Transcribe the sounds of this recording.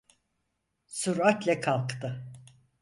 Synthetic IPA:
suɾat̪lʲɛkʰalˠkt̪ʰɯ

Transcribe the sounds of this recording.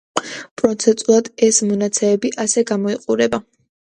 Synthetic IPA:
pʼɾɔt̪sʰɛnt̪ʼulˠad̪ɛsmɔnat̪sʰɛmɛbiʔasɛɡamɔiqʼuɾɛba

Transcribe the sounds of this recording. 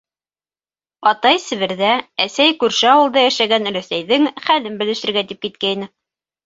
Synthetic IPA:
ɑt̪ɑjsɘ̆βɘ̆ɾðææsæjkʉɾʃɘɑwɤ̆lˠd̪ɑjæʃæɡæn̆ɾæsæjðɘŋχælɘmbɘ̆lɘ̆ʃɘ̆ɾɡæt̪ip̚kit̪̚kæinɘ

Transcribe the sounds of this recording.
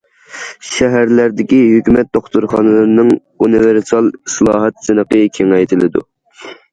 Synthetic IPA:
ʃɛɦæɾlæɾd̪ɪkʲiɦøkʲymɛt̪̚d̪̥oχt̪uɾχɑnɨlˠɨɾnɨŋ | univeɾsɑlˠislˠɑːɦɛt̪zɨnəqəkʲʰeŋɛjt̪ʰɪlɪd̪ṵ

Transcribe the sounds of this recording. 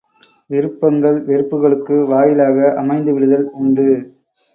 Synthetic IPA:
ʋɪɾɯpːɐŋɡɐɭʋɪɾɯpːɯɣɐɭɯkːɯʋaːjɪlaːɣɐʔɐmɐɪnd̪ɯʋɪɽɯðɐlʊɳɖɯ

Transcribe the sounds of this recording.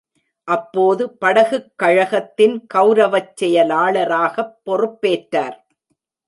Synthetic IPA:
ʔɐpːoːðɯpɐɽɐɣɯkːɐɻɐɣɐt̪ːɪnkɐʊɾɐʋɐt͡ʃːɛjɐlaːɭɐɾaːɣɐpːɔrɯpːeːʈɾaːɾ

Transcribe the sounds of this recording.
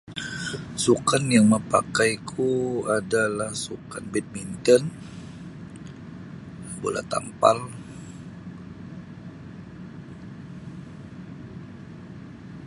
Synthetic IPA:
sukanjaŋməpa̰kajkʰuadalahsukanbɛt̪̚mint̪ən | bo̰la̰t̪a̰mpal

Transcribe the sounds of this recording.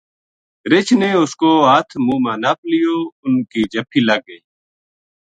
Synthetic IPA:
ɾɪt͡ʃʰneːʊskoːaːt̪ʰmũːmãːnaːplɪjoːʊnkiːd͡ʒəpʰiːləɡəiː

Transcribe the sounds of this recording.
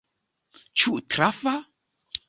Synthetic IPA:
t͡ʃuʔtɾafa

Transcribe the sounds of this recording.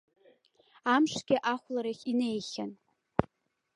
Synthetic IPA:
amʂɡʲɪʔaχʷlaɾaχʲine̞jχʲan

